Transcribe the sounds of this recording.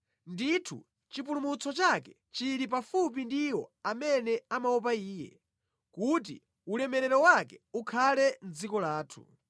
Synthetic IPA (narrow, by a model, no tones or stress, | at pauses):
nditʰṵ | t͡ʃip̬ulumut͡sʰɔt͡ʃakɛ | t͡ʃiɾip̬afup̬indiwɔ̰amɛnɛamaɔp̬aiːjɛ̰ | kut̬ḭ | ulɛmɛɾɛɾɔwakɛukʰalɛnd͡zikɔlaːtʰṵ